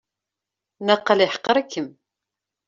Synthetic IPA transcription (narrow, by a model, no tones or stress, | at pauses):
nɑqːəliħə̥qːəɾˤækːəm